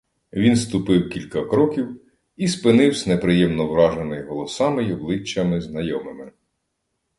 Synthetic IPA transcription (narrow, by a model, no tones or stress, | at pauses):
ʋʲinst̪ʊpɪwkʲilʲkɐkɾɔkʲiw | ispɪnɪwsʲnepɾɪjɛmnɔwɾɑʒenɪjɦɔlˠɔsɑmɪjɔblˠɪt͡ʃːɐmɪznɐjɔmɪmɪ